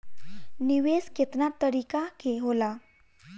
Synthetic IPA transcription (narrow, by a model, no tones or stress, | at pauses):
niʋesket̪nat̪ːəɾikakeɦola